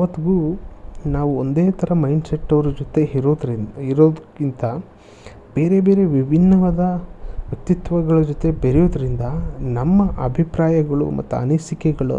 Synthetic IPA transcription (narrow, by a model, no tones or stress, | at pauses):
ɐʋɐt̪ːiɡuːnaːʋuond̪eːt̪ʰɐɾɐmɐjɳɖseʈːɐʋɐɾud͡ʒot̪ed̪iɾoːd̪kint̪ɐ | b̥e̞ːɾe̞beːɾe̞ʋibʱinːɐʋɐd̪ɐʋjɐk̚t̪it̪ʋɐɡɐɭɐd͡ʒot̪e̞beɾɛjoːd̪ɐɾind̪ɐnɐmːɐʔɐbʱipɾaːjɐɡɐɭṵmɐ̰t̪ːuɐ̰nɐːsikɛɡɐɭṵ